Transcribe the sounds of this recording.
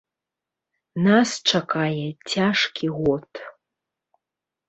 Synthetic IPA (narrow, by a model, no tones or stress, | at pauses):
nast͡ʂakajɛt͡sʲaʂkʲʰiɣɔt̪